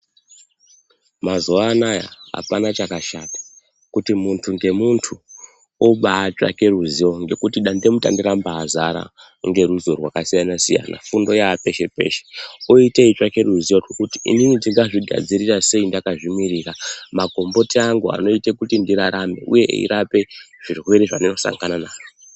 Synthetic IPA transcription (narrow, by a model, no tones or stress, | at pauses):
mazoanaja̰ɦa̰panat͡ʃakaʃatḁ | kutimuntʰuŋɡe̞muntʰu | oɓaːt͡ʃa̰ke̞ruzio̞ŋɡe̞kutiɗande̞muta̰ndiɾambaːzaɾa̰ | ŋɡe̞ɾuzo̞rwakasijanasija̰na̰fundo̞jaːpe̞ʃe̞pe̞̰ʃe̥oiteit͡ʃake̞ruzijorokutiḭninitiŋɡaʐiɡʱa̰d͡ziɾirase̞indakaʐimiriramaɡʱo̞mbo̞tiaŋɡua̰no̞ite̞kutindiɾaɾame̞̰ʔṵje̞̰ḭɾape̞ʐ̥irwe̞ɾiʐanino̞sa̰ŋɡananaːro